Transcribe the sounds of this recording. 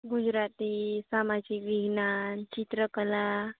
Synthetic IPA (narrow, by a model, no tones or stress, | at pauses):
ɡud͡ʑɾat̪iːsamad͡ʑikʋiɡnant͡ɕit̪ɾəkəla